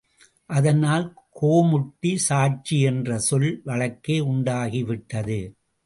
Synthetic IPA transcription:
ʔɐðɐnaːl | koːmʊʈːisaːt͡ʃiɛndrɐsɔlʋɐɭɐkːeːʊɳɖaːɣiʋɪʈːɐðɯ

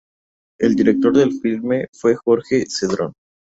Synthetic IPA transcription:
eld̪iɾe̞k̚t̪o̞ɾðe̞lfilme̞fwe̞xo̞ɾxe̞seðɾo̞̰n

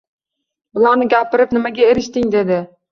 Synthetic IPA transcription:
bɪlˠanɪɡʲapʰɪɾɪpnɪmaɡʲaeɾɪʃt̪ɪŋd̪e̞d̪ɪ

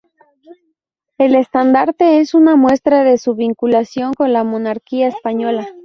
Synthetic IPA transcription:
e̞le̞st̪and̪aɾt̪e̞esunamwe̞st̪ɾaðe̞suβiŋkulasjo̞ŋko̞nlamo̞naɾkiaespaɲo̞la

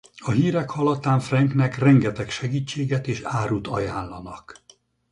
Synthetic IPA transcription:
ɒɦiːɾɛkhɒlɒt̪aːɱfrɛŋknɛkrɛŋɡɛt̪ɛkʃɛɡiːt͡ʃːeːɡɛt̪eːʃaːɾut̪ɒjaːnlɒnɒk

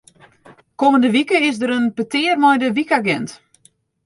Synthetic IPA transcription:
koməndəʋikəɪsdəɾənpətɪərmɔjdəʋikaɡɛnt

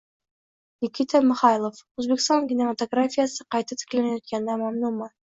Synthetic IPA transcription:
nʲikʲit̪ʰæmɪ̆χɑjlˠofʉzbɪk̆st̪ɑnkʲinemat̪oɡrafʲijasɤqɑjt̪ɤt̪ʰɘ̥klænæjæt̪̚kænd̪æmamnumɑ

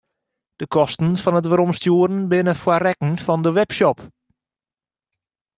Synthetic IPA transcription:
d̥əkʰɔstən̩fɔnətʋəɾɔmstjuəɾənbɪnəfwarɛkən̩fɔndəʋɛpʃɔp

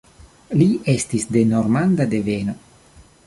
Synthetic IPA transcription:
liʔestisde̞noɾmand̪ad̪e̞veno

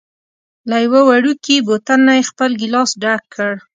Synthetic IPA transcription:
lajwawaɽukibot̪anːajexpəlɡɪlɑsɖakʰːəɽ

